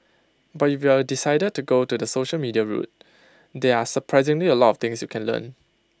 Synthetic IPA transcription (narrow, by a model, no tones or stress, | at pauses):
bat̚ifjadisaɪdəd̚tːuɡotudəsoʃəlmidiaɹṵt̚ | dɛasəpʰɹaɪzɪ̃ŋliəlɔtɔft̪ɪ̃ŋsjukʰɛ̃nlə̰̃n